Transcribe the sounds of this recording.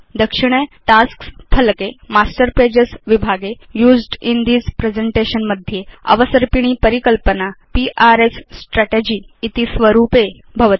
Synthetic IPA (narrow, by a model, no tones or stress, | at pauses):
d̪əkʂiɽ̃eʈasksfʰəlkemasʈəɾped͡ʑəsʋibʱaɡe | juːd͡zɖind̪iːzpɾed͡zeɳʈeɕənməd̪ʱjeə̰ʋəsəɾpiɽ̃iːpəɾikəlpənapiʔaɾesːʈɾaʈed͡ʑiːt̪isʋəɾupe | bʱəʋt̪i